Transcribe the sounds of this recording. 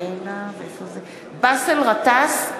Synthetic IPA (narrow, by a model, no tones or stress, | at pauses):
enaveefoze | baselʁat̪as